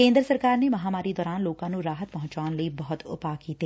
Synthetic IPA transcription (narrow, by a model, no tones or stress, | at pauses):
kẽːnd̪ɾəsɐɾkaːɾnemɐɦaːmaːɾid̪ɔːɾaːnloːkãnũɾaːɦət̪̚pɐɦʊ̃ɲt͡ʃaːnlɐibɐɦʊt̪ʊ̰paːkiːt̪eː